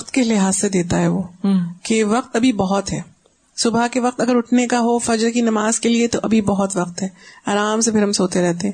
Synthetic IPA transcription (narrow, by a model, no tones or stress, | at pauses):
ɐqt̪kelɪɦaːsːed̪eːt̪aɦɛʋoːkeʋɐq̚t̪ɐbʱibɐɦɔt̪ɦɛː | sʊbʱakeʋɐq̚t̪ɐɡəɾʊʈʰnekaɦofɐd͡ʒɾkinɐmaːzkeliet̪oʔɐbʱibɐɦɔt̪ʋɐqt̪ɦɛːɐɾaːmsepʰɪɾɦɐmsɦoːt̪eɾɛɦt̪eɦɛ̃